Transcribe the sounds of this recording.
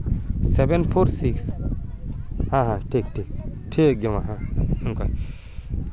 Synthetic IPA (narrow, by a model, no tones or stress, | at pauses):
sɛbɛ̃nfoɾsiks | hãɦãtek̚tek̚tʰeɡemaɦãĩŋkɔj